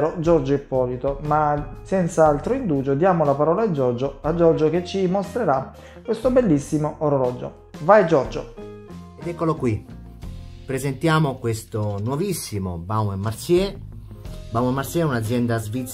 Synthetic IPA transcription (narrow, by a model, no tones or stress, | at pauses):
ɾod͡ʒɔɾd͡ʒoɛpːɔːlit̪omasɛnt̪saalt̪ɾoind̪uːd͡ʒod̪jaːmolapaɾɔːlad͡ʒɔrd͡ʒoad͡ʒːɔrd͡ʒoket͡ʃːimost̪ɾeɾa | kːwest̪obelːisːimoʔoɾolɔd͡ʒo̰ | vajd͡ʒɔrd͡ʒo | ed̪ɛkːolokwi | pɾezent̪jaːmokwest̪onwɔvisːimo̰bawɛmːaɾsjɛ | bawɛmːaɾtsjɛunad̪zjɛnd̪azvit̪s